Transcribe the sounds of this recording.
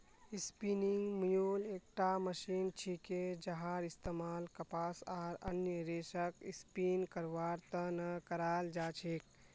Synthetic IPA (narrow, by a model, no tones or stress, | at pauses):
ispiniŋɡmijuleːk̚ʈaməʃiːnt͡ʃʰiked͡ʒɐɦaːɾist̪emaːlkəpaːsaːɾə̰njəɾeːsəkispiːnkəɾʋaːɾt̪ənɐkəɾaːld͡ʒaːt͡ʃʰik̚